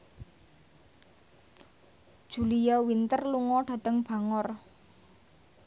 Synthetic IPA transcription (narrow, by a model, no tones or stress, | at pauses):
d̥ʒ̥ṳlijawint̪ərluŋɔɖ̥a̤t̪əŋb̥a̤ŋɔr